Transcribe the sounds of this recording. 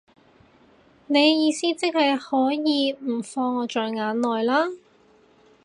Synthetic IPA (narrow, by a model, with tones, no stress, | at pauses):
ne˨˧jjiː˨˧siː˥t͡sɪ˥k̚hɐ˨jhɔː˨˥jiː˨˧m̩˨˩fɔː˧ŋːɔː˨˧t͡ʃɔː˨jŋaː˨˥nlɔː˨jlaː˥